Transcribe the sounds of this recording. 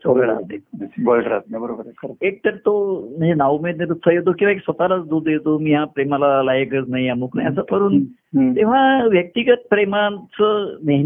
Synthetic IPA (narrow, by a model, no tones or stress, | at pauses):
sʰoɡəɾa̰d͡znebəlʈɾat̪nebəɾobəɾkʰəɾek̚t̪əɾt̪om̤əɳd͡zenaʋumed̪net̪̬ot̪ʰəjet̪̬okĩw̃ʋaeksʋət̪alat͡sd̪od̪jet̪omiːɦapɾemalalajəkət͡snaijamukna̰jəsəməɾuːn | t̪eʋ̤aʋjək̚t̪iɡət̪̚pɾemat͡səneɦ